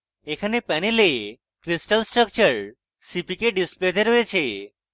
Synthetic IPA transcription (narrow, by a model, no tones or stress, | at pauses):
ekʰanepɛnele | kɾisʈəlsʈɾək̚t͡ʃəɾ | sipikeɖispled̪eɾɦoet͡ʃʰe